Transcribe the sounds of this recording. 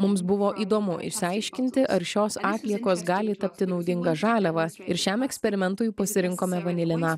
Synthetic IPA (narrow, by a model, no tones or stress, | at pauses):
mʊmsbʊʋoːʔiːd̪oːmʊʔɪ̰ʃʲsʲɪɐɪʃʲkʲɪnʲt̪ʲɪʔɐɾʃʲoːsɑːt̪ʲlʲiɛkoːsɡɑːlʲɪt̪ɐpʲt̪ʲɪnɒʊd̪ʲɪŋɡɐʒɑːlʲɛʋɐɪɾʃʲɛmɛksʲpʲɛɾʲɪmʲɛnt̪ʊːjpɐsʲɪɾʲɪŋkoːmʲɛʋɐnʲɪlʲɪnɑ